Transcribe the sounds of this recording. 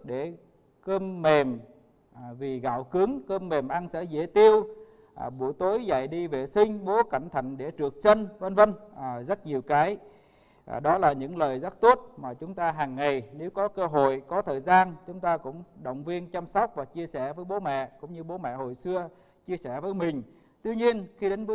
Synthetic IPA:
ɗe˧˩ | kəː˧mːe˨˩m | vi˨˩ɣa̰ː˧˨wkɨ˨˦ŋkəː˧mːe˨˩mʔa˧nsɛ̰˧˥zḛ˧˥t̪i˧əw | ɓu˧˩əjt̪o˨˦jza̰˧˨jɗi˧ve˨˩sï˧ŋ̟ɓo˨˦ka̰˧˩jŋ̟t̪ʰə̰˧˨jŋ̟ɗe˧˩t͡ɕɨ˨˩ək̚t͡ɕə˧nvə˧nvə˧nː˨˩zə˦˥t̚ɲi˨˩əwkaː˨˦j | ʔɗɔ˨˦laː˨˩ɲɨ̰˧˥ŋləː˨˩jza˦˥k̚t̪o˦˥t̚maː˨˩t͡ɕʊ˨˦ŋ͡mt̪aː˧ɦaː˨˩ŋːa˨˩jne˨˦wkɔ˨˦kəː˧ɦo̰˧˨jkɔ˨˦t̪ʰəː˨˩jzaː˧nt͡ɕʊ˨˦ŋ͡mt̪aː˧kʊ̰˧˥ŋ͡mɗə̰˧˨wŋ͡mvi˧ənt͡ɕa˧msɔ˦˥wk͡p̚vaː˨˩t͡ɕi˧əsɛ˧˩vəː˨˦jɓo˨˦mɛ̰˧˨kʊ̰˧˥ŋ͡mɲɨ˧ɓo˨˦mɛ̰˧˨ho̰˧˨jsɨ˧ə | t͡ɕi˧əsɛ˧˩vəː˨˦jmï˨˩ŋ̟ | t̪wi˧ɲi˧ənxi˧ɗe˨˦nvɨ˨˦

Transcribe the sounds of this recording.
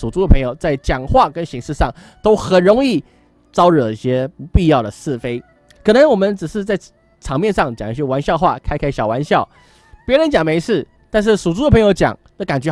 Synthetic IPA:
ʂu˨˩t͡su˥də˨pʰɤ˧˥ŋjo˨˧ʊt͡sa˥˩ɪt͡ɕjɑ˨˩ŋxwa˥˨˩kə˦˥nɕi˧˥ŋʂɻ̩˥˧ʂɑ˥˩ŋ | t̪o˥ʊxə˨˩nɻʊ˧˥ŋi˥˩ | t͡sɑ˥ʊɻə˨˩i˥˩ɕjɛ˥˧pi˥˧jɑ˥˩ʊd̪ə˩sɹ̩˥˩fe˥ɪ | kʰɤ˨˩nə˧˦ŋwɔ˨˩mə˧˦nʈ͡ʂɻ̩˨˩ʂɻ̩˥˧t͡sa˥˩ɪ | ʈ͡ʂʰɑ˧˥ŋmjɛ˥˧nʂɑ˥˩ŋt͡ɕjɑ˨˩ŋə˧˥˩ɕɛ˥˩wa˧˥nɕjɑ˥˧ʊxwa̰˥˩kʰa˥ɪkʰa˥ɪɕjɑ˨˩ʊwa˧˥nɕjɑ˥˩ʊ | pjɛ˧˥ɻə˧˥nt͡ɕjɑ˨˩ŋme˧˥ɪʂʰɻ̩˥˩ | t̪a˥˧nʂ̬ɻ̩˥˩ʂu˨˩t͡su˥də˨˩pʰɤ˧˥ŋjo˧˥ʊt͡ɕjɑ̰˨˩˦ŋd̪ə˧˦ka˨˩nt͡ɕɥɛ˧˥

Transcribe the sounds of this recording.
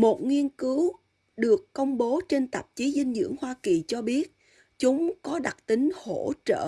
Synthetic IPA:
mo˨˩t̚ŋwi˧ənkɨ˨˦w | ɗɨ˨˩əkːə˧wŋ͡mɓo˨˦t͡ɕe˧nt̪ə˨˩p̚t͡ɕi˨˦zï˧ŋ̟zɨ̰˧˥əŋhwaː˧ki˨˩t͡ɕɔ˧ɓi˦˥ət̚ | t͡ɕʊ˨˦ŋ͡mkɔ˨˦ɗa˨˩t̚t̪ï˨˦ŋ̟ho̰˧˩t͡ɕə̰ː˧˨

